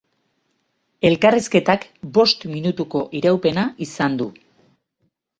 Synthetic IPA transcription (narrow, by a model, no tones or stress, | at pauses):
e̞lkariske̞t̪akbo̞st̪minut̪uko̞ʔiɾawpe̞naʔisand̪u